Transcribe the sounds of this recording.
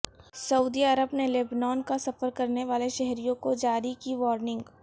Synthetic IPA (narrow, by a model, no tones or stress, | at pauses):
sɐuːd̪iɐɾəbneleːbnɔːnkasɐfəɾkɐɾneʋaːleʃɛɦɾijõkod͡ʒaːɾikiʋɔːɾnɪ̃ŋɡ